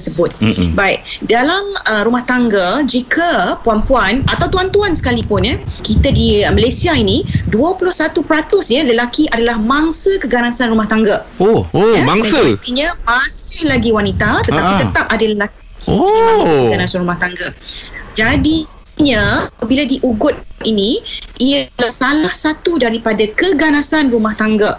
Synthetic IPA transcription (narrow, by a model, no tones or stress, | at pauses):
əsəbʊt̪̚baiʔdalaməɾumaht̪aŋɡad͡ʒikʰəpuampuanʔat̪awt̪uant̪uansə̥kalipʊnəkit̪adimalesiainiduəpulʊhsat̪upɾat̪ʊsɲələlakiʔadalahmaŋsəkəɡanasanrumaht̪aŋɡaomaŋasət̪iɲamasɪhlaɡiwanit̪at̪əapit̪ət̪ap̚adaləlak | iasəkəɡanasanrɾumaht̪aŋɡəʔd͡ʒadi | ɲəəbiladiʔuɡʊt̪̚iniʔijəlahsalahsat̪udaɾipadakəɡanasanrumaht̪aŋɡəʔ